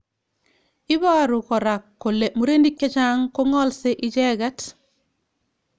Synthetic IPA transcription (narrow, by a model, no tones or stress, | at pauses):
ibaɾukoɾakːolːemuɾendikːet͡ʃaŋkoŋɔlseʔiɟeɡat